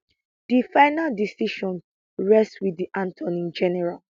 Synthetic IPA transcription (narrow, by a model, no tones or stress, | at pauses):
d̥ifaɪnaldisiʃɔ̃n | ɹɛstswidiʔãntʰɔ̃nĩnd͡ʒɛnɛɹal